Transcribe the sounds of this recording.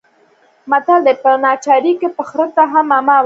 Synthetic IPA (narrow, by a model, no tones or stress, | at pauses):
mat̪ald̪epənɑt͡ʃɑɾikepəxɾət̪aɦamamaw